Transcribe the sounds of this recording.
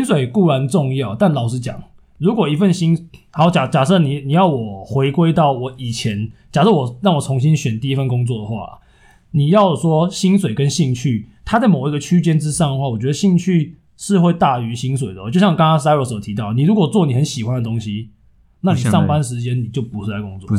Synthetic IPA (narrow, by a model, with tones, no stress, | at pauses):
i˥nswe˨˩ɪku˥˩ɻa˧˦nt͡sʊ˥˧ŋjɑ˥˨˩ʊt̪a˥˩nlɑ˨˩ʊʂ̬ɻ̩˧˥t͡ɕjɑ̰˨˩ŋ | ɻu˨˥kwɔ˨˩i˧˥fə˥˨nɕi˥nxa˧˥jt͡ɕja˨˩t͡ɕja˨˩ʂɤ˥˩ni˨˩ni˨˩jɑ˥˩ʊwɔ˨˩xwe˧˥ɪkwe˥ɪt̪ɑ˥˩ʊwɔ˨˩˦i˨˩t͡ɕʰjɛ˧˦nt͡ɕja˨˩ʂɤ˥˩wɔ˨˩ɻɑ˥˩ŋwɔ˨˩t͡sʰo˧˥ŋɕi˦nɕɥɛ˨˩nt̪i˥˧i˦˥fə˥˨nkʊ˥ŋt͡swɔ˥˩d̪ə˩xwa̰˥˨ | ni˨˩jɑ˥˩ʊʂwɔ˥ɕi˥nswe˨˩ɪkə˦nɕi˥˧ŋt͡ɕʰy˥˩t̪ʰa˥t͡sa˥˩ɪmo˨˩ʊi˧˥ɡə˧t͡ɕʰy˥t͡ɕjɛ˥nʈ͡ʂɻ̩˥˦ʂɑ˥˩ŋd̪ə˩xwa˥˩wɔ˨˩t͡ɕɥɛ˧˦d̪ə˧ɕi˥˧ŋt͡ɕʰy˥˧ | ʂɻ̩˥˧xwe˥˧ɪt̪a˥˩y˧˥˦ɕi˦˥nswe˨˩ɪd̪ə˩wt͡ɕjɕjɑ˥˧ŋ˨kɑ˥ŋkɑ˥ŋs̬a˥ɪwə˧˥so˨˩ʊt̪ʰi˧˥t̪ɑ˥˩ʊ˩ni˨˩ɻu˧˥kwɔ˨˩t͡swɔ˥˨ni˨˩xə˧˦nɕi˨˩xwa˦nd̪ə˨˩t̪o˦ŋɕi˦ | na˥˨ni˨˩ʂɑ˥˨ŋpa˦nʂ̬ɻ̩˧˥t͡ɕjɛ˦nni˨˩t͡ɕjo˥˩ʊpu˨˧˥ʂ̩˥˩a˧˦ɪkʊ˥˦ŋt͡swɔ˥˨